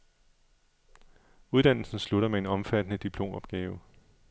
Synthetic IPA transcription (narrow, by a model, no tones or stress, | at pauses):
uð̞ˠd̥æn̰l̩sn̩sluɾɐmee̝nɒ̽mfæd̥ənəd̥ipʰlo̝̰ːmɒ̽b̥̚ɡ̥ɛːʊ